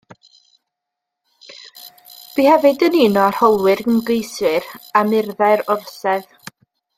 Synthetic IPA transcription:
b̥iːhɛvɨdəninɔar̥hɔlˠwɪrɡəmɡejswɪɾamɪrðaɨɾɔrsɛð

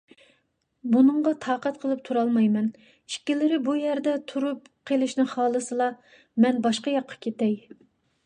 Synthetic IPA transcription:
bunɨɴʁɑt̪ʰɑːqɛt̪qʰəlˠɨp̚t̪ʰuɾɑlˠmɑjmɛn | ikʲːilɪɾɪbujɛɾd̪ɛt̪ʰuɾup | qʰelˠɨʃnɨχɑːlˠɨsɨlˠɑ | mɛnbɑʃqɑjɑqʰːɑ̥kʲʰet̪ɛj

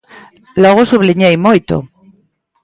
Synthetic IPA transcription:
loɣ̞osuβliɲejmojt̪o̰

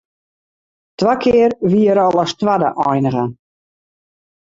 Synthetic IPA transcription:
twakʰɪərʋiəɾɔlˠɔstwadəʔɔjnəɣə

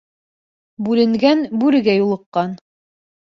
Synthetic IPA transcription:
bʉlɘ̆ŋɡænbʉɾɘ̆ɡæjulˠɤ̆qːɑn

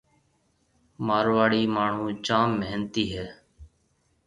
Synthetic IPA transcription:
maːɾʋaːɽiːmaːɳ̤ũːt͡ʃãːmːeːnt̪iːɦɛː

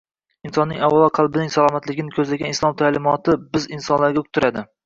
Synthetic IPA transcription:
ɪnsɒnːɪŋʲawalˠɒqʰɑlˠbɪnɪŋsalˠɒmat̪lɪɡʲɪnɪkʲʰɵzlaɡʲanɪslˠɒmt̪ʰalɪmɒt̪ɪbɪzɪnsɒnlaɾɡʲaʊk̚ʲt̪ʰːʊɾad̪ɪ

